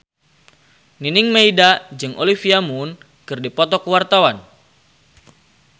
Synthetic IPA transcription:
ŋinɪŋmeidad͡ʒɨŋʔo̰lifiamun | kɨrdipɔt̪ɔkəwart̪awan

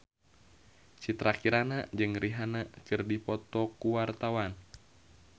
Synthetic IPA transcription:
t͡ʃit̪ɾakiɾanad͡ʒɨŋriɦanakɨrdipɔt̪ɔkuwart̪awan

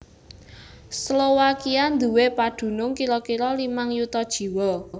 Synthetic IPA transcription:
slowakiand̪uwepad̪̥ṳnʊŋkiɾɔkiɾɔlimaŋjut̪ɔd̥ʒ̥i̤wɔ

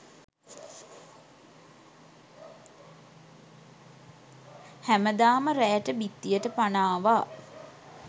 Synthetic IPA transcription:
hæməd̪aːməɾæːʈəbit̪ːijəʈəpanaːʋa

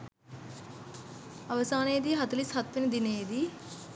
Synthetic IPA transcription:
ɐʋɐsaːnejd̪iɦɐt̪ɐlisɦɐt̪ʋenɐd̪inejd̪i

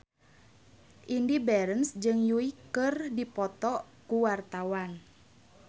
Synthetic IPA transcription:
ʔindibɛɾənsd͡ʒɨŋjuikɨrdipɔt̪ɔkuwart̪awan

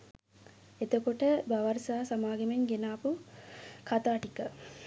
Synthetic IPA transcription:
et̪okoʈəbaʋɐɾsaːsamaːɡemeŋɡenaːpu | kʰat̪aːʈikə

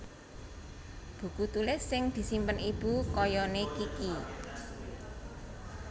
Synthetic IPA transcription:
b̥ṳkut̪ulɪsːɪŋd̪̥i̤simpənib̥ukɔjɔnekiki

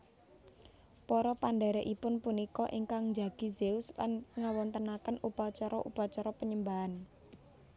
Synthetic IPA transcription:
pɔɾɔpanɖɛɾɛʔipʊnpunikɔʔiŋkaŋd͡ʒa̤ɡ̥izeʊsla̰nŋawɔnt̪ənakənupat͡ʃɔɾɔʔupat͡ʃɔɾɔpəɲəmbaɦan

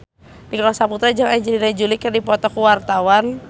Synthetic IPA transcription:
dikalasaput̪ɾad͡ʒaŋaɲd͡ʒəlinajd͡ʒulikərdipɔt̪ɔkuwart̪awan

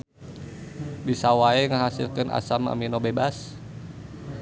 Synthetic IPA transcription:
bisawaɛŋəɦasḭlkɨnʔa̰sama̰minobebas

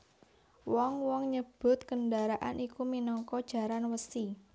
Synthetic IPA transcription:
wɔŋwɔŋɲəb̥ʊ̤t̪̚kəndaɾaʔa̰nʔikuminɔŋkɔd̥ʒ̥a̤ɾanwəsi

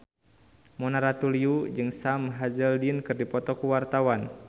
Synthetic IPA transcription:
mɔnaɾat̪uliud͡ʒɨŋsamɦad͡ʒəldinkɨrdipɔt̪ɔkuwart̪awan

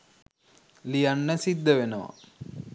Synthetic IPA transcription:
lijanːəsid̪ːəʋenəʋa̰

